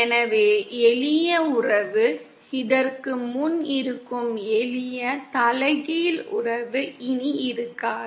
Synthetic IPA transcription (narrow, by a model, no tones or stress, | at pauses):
ɛnɐʋeːɛlɪjɐʊrɐʋɯ | ɪðɐrkɯmʊnɪɾɯkːɯmɛlɪjɐt̪ɐlɐɪɣɐjɪlʊ̰rɐʋɯɪniɪɾɯkːaː